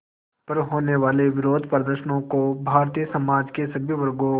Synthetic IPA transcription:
pɐɾɦoːneʋaːleʋɪɾoːd̪ʱpɾd̪əɾʃənõkobʱaːɾt̪ijəsɐmaːd͡ʒkesɐbʱjəʋɐɾɡõ

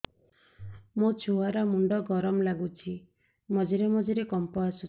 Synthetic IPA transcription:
mut͡ʃʰuaɾɔmuɳɖɔɡɔɾɔmlaɡut͡ʃʰi | mɔd͡ʒiɾemɔd͡ʒiɾekɔmpɔasu

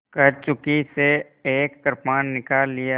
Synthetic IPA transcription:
kɐɾt͡ʃʊkise | eːkkəɾpmaːnːɪkaːlːija

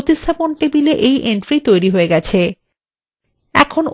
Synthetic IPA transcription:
t̪ist̪ʰaponʈibileʔejʔeɳʈɾit̪ojɾiɦoeɡɛt͡ɕʰe | ɛ̰kʰon

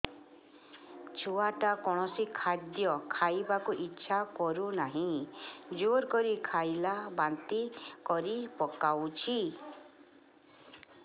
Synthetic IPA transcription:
t͡ʃʰuaʈakɔɽ̃ɔsikʰad̪jɔkʰajbakuʔitːʃʰakɔɾunaɦĩd͡ʒoɾkɔɾikʰajlabant̪ikɔɾipɔkawt͡ʃʰi

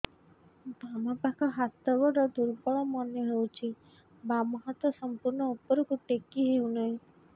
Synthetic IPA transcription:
bamɔpakʰɔɦat̪ɔɡɔɾɔd̪uɾbɔɭɔmɔnjɔɦewt͡ʃʰi | bamɔɦat̪wɔsɔmpuɾnɔupɔɾɔkuʈekiɦewnɔɦĩ

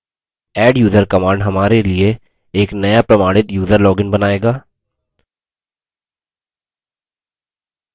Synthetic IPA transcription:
ɛːɖjuːzəɾkɐmaːɾɳɖɦɐmaːɾelie | eːknɐjapɾɐmaːɽ̃ɪt̪juːzəɾlɔːɡɪnbɐnaːeːɡaː

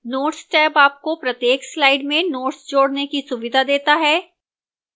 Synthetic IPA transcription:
noːʈsʈɛːbaːp̚kopɾɐt̪jeːkslaːɪɖmẽnoːʈsd͡ʒoːɽnekisʊʋɪd̪ʱad̪eːt̪aɦɛː

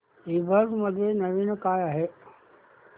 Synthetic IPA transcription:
iːbəd̪məd̪ʱjenɐʋinkaːjaɦe

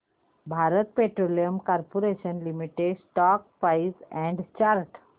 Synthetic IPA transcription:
bʱaɾət̪̚peʈɾolijəmkaɾpoɾeʃənlimiʈeɖsʈɔːk̚paisɛ̃ɳɖt͡ʃaɾʈ

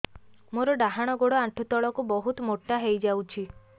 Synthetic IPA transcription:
moɾɔɖaɦaɽ̃ɔɡoɽɔaʈʰut̪ɔɭɔkubɔɦut̪moʈːaɦejd͡ʒawt͡ʃʰi

